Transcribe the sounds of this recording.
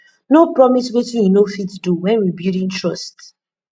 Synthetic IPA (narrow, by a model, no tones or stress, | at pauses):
nopɹɔmiswetujunofituduwɛ̃nwibiɾĩŋtɹɔst